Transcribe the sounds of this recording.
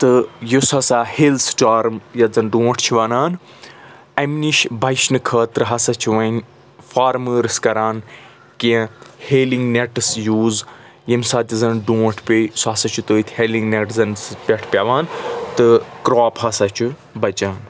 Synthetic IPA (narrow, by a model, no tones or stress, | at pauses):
t̪ɨjusɐsaːhelsʈaːɾmjɐzɐnɖũːʈʰt͡ʃʰiʋɐnaːn | ɐmniʃbʱɐjʃnɨkʰəːt̪ɨɾɨɦɐsɐt͡ʃʰuʋɐn | faːɾməːɾɨskɐɾaːn | kiheːliŋɡneʈɨsjuːz | jɐmʲsaːt̪ʲizɐnɖũːʈʰpʲesɐsɐt͡ʃʰut̪əːit̪ʰʲheːliŋɡneʈzɐnspʲeʈʰpʲɐʋaːnt̪ɨkɾaːphɐsɐt͡ʃʰu | bɐt͡ʃaːn